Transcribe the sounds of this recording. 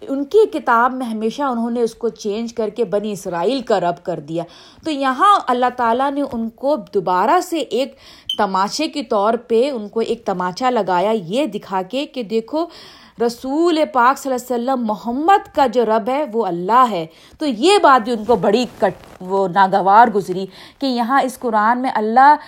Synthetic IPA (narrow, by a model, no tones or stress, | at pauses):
ʊnkekɪt̪aːbmẽɦɐmeːʃaʊnɦõneʊskot͡ʃẽːnd͡ʒkɐɾkebɐniɪsɾaːiːlkaɾɐbkɐɾd̪ijaː | t̪ojɐɦãɐlːaɦt̪aːlaneʔʊnkod̪ʊbaːɾaseʔeːk | t̪ɐmaːʃekit̪ɔːɾpeʊnkoʔeːk̚t̪ɐmaːʃalɐɡaːjajed̪ɪkʰaːkeked̪eːkʰo | ɾɐsuːlepaːksɐlːɛsɐlːəmːʊɦəmːəd̪kad͡ʒoːɾɐbɦɛʋoɐlːaɦɛː | t̪ojebaːt̪̚biʊnkobɐɽikɐʈonaːɡɐʋaːɾɡʊzɾikejɐɦãɪskʊɾaːnmẽʔɐlːa